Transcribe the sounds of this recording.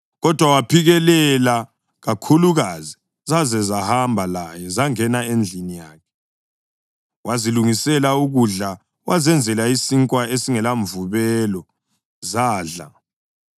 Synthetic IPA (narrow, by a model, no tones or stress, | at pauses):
ɣɔd̥ʱwawapʰiɣɛlɛla | ɣakʰuluɣazi | zazɛzahambʱalajɛzaŋɛnaend͡ɮʱinijaːkʰɛ̥ | waziluŋisɛlauɣuɮa | wʔazɛnd͡zʱɛlaisiŋkʼwaesiŋɛlaɱvuβɛlɔ | zaːɮa̰